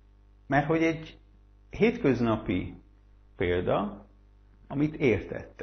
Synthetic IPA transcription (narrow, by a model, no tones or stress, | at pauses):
mɛrt̪ho̞ɟɛɟ | ɦeːt̪køznɒpḭ | peːld̪ɒ | ɒmit̪ʰeːrt̪ɛ̰t̪ː